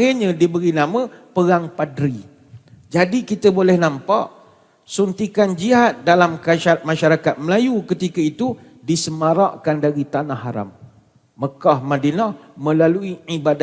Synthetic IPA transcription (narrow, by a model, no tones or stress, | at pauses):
aɲadibəɾinãmə̃pəɾaŋpadɾi | d͡ʒadikit̪əbolɛhnãmpa̰ʔ | sunt̪ikand͡ʒiɦat̪̚dalamkaat̪̚mãʃaɾakat̪̚məlajukət̪ikait̪u | disəmaɾaʔkandaɾit̪anahːaɾa̰mː | əkɔhmãdinɔhmə̃laluiʕibada